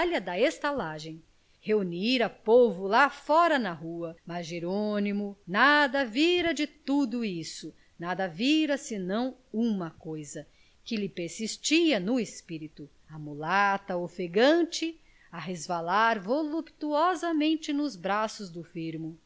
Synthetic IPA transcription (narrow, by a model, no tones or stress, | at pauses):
lɐd̪ɐest̪alaʒẽj̃ | heuniɾɐpovʊlafɔɾɐnɐɦuɐmɐzʒeɾonimʊnad̪ɐviɾɐd͡ʒɪt̪ud̪ʊisʊ | nad̪ɐviɾɐsɪnɐ̃w̃ũmɐkojzɐ | kɪlɪpeɾsist͡ʃiɐnʊespiɾit̪ʊ | ɐmulat̪ɐofeɡɐ̃t͡ʃɪ | ɐɦezvalaɾvolupt̪uɔzɐmẽnt͡ʃɪnʊzbɾasʊzd̪ʊfiɾmʊ